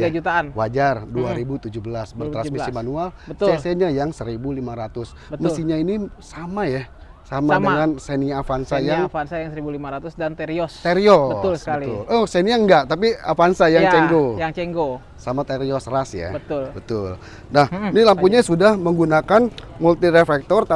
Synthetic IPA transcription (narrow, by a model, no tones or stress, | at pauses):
ɡad͡ʒut̪aanwad͡ʒarduaɾibut̪ud͡ʒubəlasbərt̪ɾansmisimanualbəsaseɲajaŋsəɾibulimaɾat̪ʊs | bəməsiɲainisamaja | samadəŋanseniafansajaŋfansajaŋsəɾibulimaɾat̪ʊsdant̪eɾiɔst̪eɾiɔəalʊlohsenijaŋɡaʔt̪ap̬iafansajaŋt͡ʃɛŋɡojaŋt͡ʃɛŋɡo | samat̪eɾiɔsrasja̰bət̪lbət̪ʊl | nahnilampuɲasudahməŋɡunakanmult̪iɾefɛk̚t̪ɔrt̪a